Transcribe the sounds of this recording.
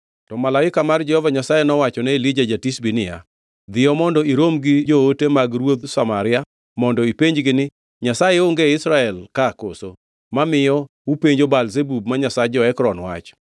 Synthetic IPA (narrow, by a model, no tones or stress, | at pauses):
tɔmalaɪkamard͡ʒɛhɔvaɲasajenɔwat͡ʃɔnɛilid͡ʒad͡ʒatisbinɪja̰ | d̪ɪɔmɔndɔiɾomɡɪd͡ʒootemaɡɾwod̪samaɾɪa | mɔndɔipeɲd͡ʒɡɪnɪ | ɲasajeoŋɡeɪsɾaɛlkako̰so | mamɪjɔ | upeɲd͡ʒobalzebub̚maɲasad͡ʒɔɛkɾɔnwa̰t͡ʃ